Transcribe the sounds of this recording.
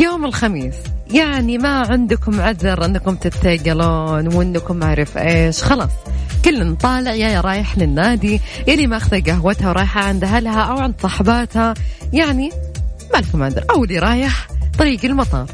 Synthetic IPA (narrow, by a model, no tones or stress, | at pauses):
joːmɪlxamiːsjaʕnimaʕɪnd̪kʊmʕaðɪɾˤʔɪnːakʊmt̪ɪt̪ːaɡaloːnwɪnːakʊmaʕɾˤɪfʔeːʃxɑlɑːsˤkʊlːɪnt̪ˤɑːlɪʕjajɾˤɑːjɪħnɪnːaːd̪ijaliːmaʔaxðaɡaɦwat̪hawɾˤɑːjħaʕɪnd̪ɦalhaʔawʕɪnd̪sˤɑħbɑːt̪hajaʕnimalɪkʊmʕaðɪɾʔawliːɾˤɑːjɪħt̪ˤɑɾiːɡɪlmɑt̪ˤɑ̰ːɾˤ